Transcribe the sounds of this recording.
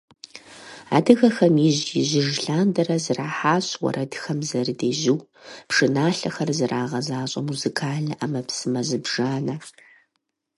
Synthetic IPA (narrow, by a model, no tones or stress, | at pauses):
a̰ːdɨɣɐxɐmiʑjɪʑɪʒɬaːndɐɾɐzɨraːħaːɕwɔ̰ɾɐdxɐmzɐrɨdeːʒɪw | pʂɨnaːɬɐxɐrzɨrʔaːʁɐzaːɕʼɐmuzikʰaːɮʔɐmɐpsɨmɐzɨbʒaːnɐ